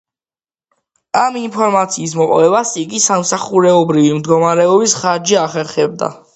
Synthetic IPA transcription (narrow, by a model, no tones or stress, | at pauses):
aminpʰɔɾmat̪sʰiːs̬mɔqʼɔvɛbasiɡisamsaχuɾɛɔbɾivimd̪ɡɔmaɾɛɔbisχaɾd͡ʒiaχɛɾχɛb̚d̪a̰